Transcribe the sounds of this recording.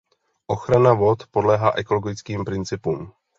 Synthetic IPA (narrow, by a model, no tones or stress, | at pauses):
ʔo̞xɾanavo̞t̪po̞dlɛɦaːʔɛko̞lo̞ɡɪt͡skiːmpɾɪnt͡sɪpuːm